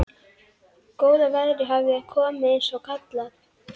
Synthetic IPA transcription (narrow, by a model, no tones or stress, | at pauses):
koːwðavaðɾɪɦavɪaðkʰɔːmaensɔwkʰat̪lat